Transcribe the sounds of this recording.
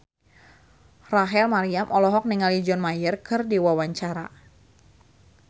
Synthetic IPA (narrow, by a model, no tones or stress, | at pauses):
raɦɛlmaɾiamʔɔlɔɦɔk̚niŋalid͡ʒɔnmajərkɨrdiwawaɲt͡ʃaɾa̰